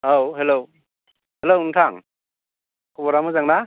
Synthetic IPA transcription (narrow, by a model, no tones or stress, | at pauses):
owɦelow | helowuŋtʰaŋ | kʰɔbɔɾamɯzaŋna